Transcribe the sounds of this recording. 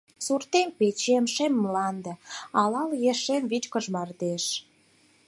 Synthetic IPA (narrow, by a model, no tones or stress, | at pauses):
surt̪empet͡ɕemʃemːlɑnd̪ĕɑlɑljeʃemvit͡ɕkəʒmɑrd̪eʃ